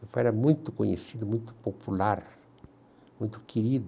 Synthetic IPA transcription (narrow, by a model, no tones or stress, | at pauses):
fɛɾɐmũj̃t̪ʊkõɲḛsid̪ʊmũj̃t̪ʊ̥populaɾ | mũj̃t̪ʊ̥kiɾid̪ʊ